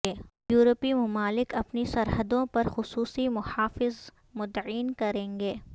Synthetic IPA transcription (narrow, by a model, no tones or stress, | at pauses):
eːjuːɾəpimʊmaːlɪkɐpnisɐɾɦəd̪õpɐɾxʊsuːsimʊhaːfɪz | mʊd̪ʕiːnkɐɾẽːŋɡeː